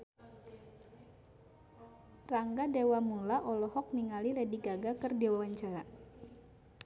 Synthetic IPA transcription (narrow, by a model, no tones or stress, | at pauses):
raŋɡadewamulaʔɔlɔhɔk̚niŋalilediɡaɡakərdewawaɲt͡ʃaɾa